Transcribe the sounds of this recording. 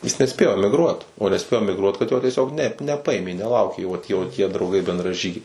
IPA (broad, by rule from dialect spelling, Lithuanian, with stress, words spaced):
jɪs nʲɛˈsʲpʲeːjoː ɛmʲɪɡˈruɔt oː nʲɛˈsʲpʲeːjoː ɛmʲɪɡˈruɔt kɐt ˈjoː tʲiɛˈsʲoːk nʲɛp nʲɛˈpɐɪmʲeː nʲɛˈlˠɐʊkʲeː joː tʲiɛ oː tʲiɛ drɐʊˈɡɐɪ bʲɛndrɐˈʒʲiːɡʲɛɪ